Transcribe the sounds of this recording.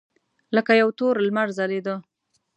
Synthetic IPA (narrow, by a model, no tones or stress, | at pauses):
ləkajawt̪oɾlmaɾzaled̪ə